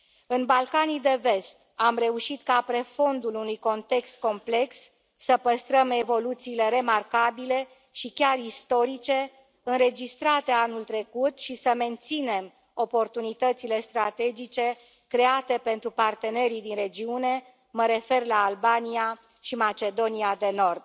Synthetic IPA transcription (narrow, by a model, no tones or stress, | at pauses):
ɨnbalkanijd̪e̞ve̞st̪amre̞uʃit̪kapɾefo̞nd̪ulunujko̞nt̪e̞kst̪̚ko̞mple̞ksː | əpəst̪ɾəme̞vo̞lut̪siːle̞ɾe̞markabile̞ | ʃikʲarist̪o̞ɾit͡ʃe̞ | ɨnɾe̞d͡ʒist̪ɾat̪e̞anult̪ɾe̞kut̪ʃisəme̞nt̪sine̞m | o̞po̞rt̪unit̪ət̪sile̞st̪ɾat̪e̞d͡ʒit͡ʃe̞ | kɾe̞at̪e̞pe̞nt̪ɾupart̪e̞ne̞ɾid̪inre̞d͡ʒiune̞ | məɾe̞fe̞rlaːlbania | ʃimat͡ʃe̞d̪o̞niad̪e̞no̞rd̪̚